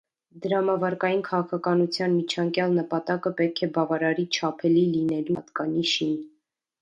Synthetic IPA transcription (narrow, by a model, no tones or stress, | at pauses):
d̪əɾɑmɑvɑɾkɑjinkʰɑʁɑkʰɑkɑnut͡sʰjɑnmit͡ʃʰɑŋkjɑlnəpɑt̪ɑkəpɛt̪̚kʰɛbɑvɑɾɑɾit͡ʃʰɑpʰɛlilinɛlut̪kɑniʃin